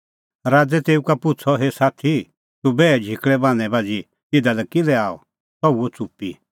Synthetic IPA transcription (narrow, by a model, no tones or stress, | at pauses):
ɾaːd͡zɛt̪eːũkapʊt͡sʰɔɦesaːt̪ʰi | t̪ubɛːd͡ʒʱɪkɭɛbãːñɛ̃baːd͡zi | ɪd̪alɛkɪlɛaːɔ̰ | sɔuɔt͡supːḭ